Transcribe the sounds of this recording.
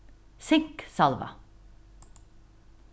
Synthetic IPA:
sɪŋksɑlʋɑ̰

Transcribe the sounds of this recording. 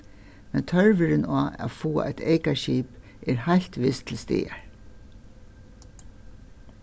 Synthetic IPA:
mɛnt̪ʰœɹʋɪɾɪnaːæ̰fuːa̰ʔajt̪ʰeɪkaɹʃiːp | ʔɛɹhajl̥t̪ʋɪst̪ʰɪlst̪ɪ̰ːaɹ

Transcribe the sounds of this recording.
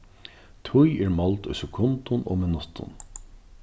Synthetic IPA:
t̪ʰʊjɛɹmɔlt̪ʊ̰jsɛkʰʊnt̪ʊno̰ːmɪnʊht̪ʊ̰n

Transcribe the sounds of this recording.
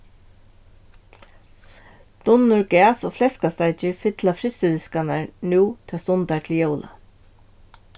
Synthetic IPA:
d̪̥ʊnːʊɹɡæːsoːflɛskast̪aɪt͡ʃəɹfɪt̪ʰlafɾɪst̪əd̪ɪskanaɹnuːt̪ʰɛast̪ʊnt̪aʈʰɪljowlʔa̰

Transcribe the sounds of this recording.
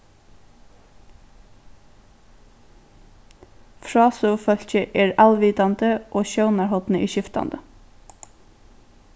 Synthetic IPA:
fɹɑːsʉfœlçəʔeːɹɑlʋiːt̪ɑnd̪əʔoːʃœʊnɑɹhɔt̪n̩əʔiːʃɪft̪ɑ̰nd̪ə

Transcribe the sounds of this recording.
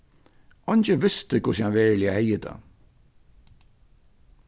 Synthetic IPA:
ɔɲt͡ʃəʋɪst̪ɪkʰʊshanʋɛːɹlɪahɛjːət̪ʰa̰ː

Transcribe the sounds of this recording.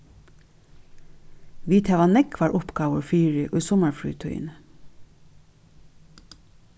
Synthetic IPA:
ʋiːt̪ʰæʋɑnɛkʰʋɑːɹʔʊpɡɑːʋəɹfyːɹɪʔʉːsɔməɹfɹy̰ːt̪ʰœ̰ʏə̰n

